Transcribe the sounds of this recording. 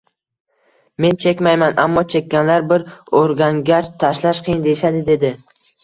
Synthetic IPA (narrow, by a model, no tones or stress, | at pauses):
me̞nt͡ʃʰe̞kʲmajmana̰mːɒt͡ʃʰe̞kʲːanlaɾbɪɾoɾɡʲaŋɡʲaʃt̪ʰaʃlaʃqʰɨjɪnd̪e̞ʃad̪ɪd̪e̞d̪ɪ